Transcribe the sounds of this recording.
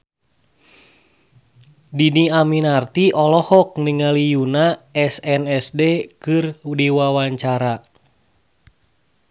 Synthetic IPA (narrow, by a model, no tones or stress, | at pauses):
diniaminart̪iʔɔlɔhɔk̚niŋalijunaɛsɛnɛsdekɨrdiwawaɲt͡ʃaɾa